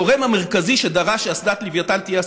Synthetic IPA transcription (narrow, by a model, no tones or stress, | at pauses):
oʁemhameʁkaziʃed̪aʁaʃeasd̪at̪livjat̪ant̪ije